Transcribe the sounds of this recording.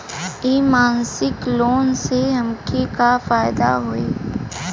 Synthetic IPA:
imaːnsɪkloːnseɦɐmkekafaːɪd̪a̰ɦoeː

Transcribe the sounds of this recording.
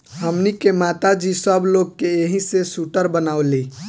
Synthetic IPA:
ɦəmnikemat̪ad͡ʒisəbloɡkeeɦĩsesuʈəɾbənawli

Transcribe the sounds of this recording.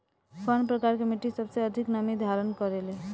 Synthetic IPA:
pʰənpɾəkaɾkemiʈisəbseəd̪ʱiknamid̪ʱaɾənkɔɾele

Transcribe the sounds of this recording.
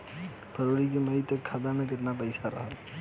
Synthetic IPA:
pʰəɾoɾik̬eməɦit̪ekʰːad̪ameket̪napəɪsaɾə̰ɦəl

